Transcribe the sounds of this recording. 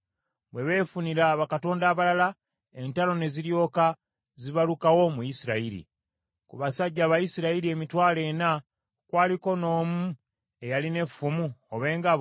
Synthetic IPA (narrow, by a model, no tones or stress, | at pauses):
βwe̞βe̞ːfuniɾaβakato̞ːndaːβalala | e̞ntalo̞ne̞ziɾjo̞ːka | ziβalukawo̞mujisiɾaiɾḭ | kuβasaɟːaːβajisiɾaiɾie̞mitwaːle̞ːna | kwaːliko̞no̞ːmu | e̞jaline̞fumuoβe̞ːŋɡa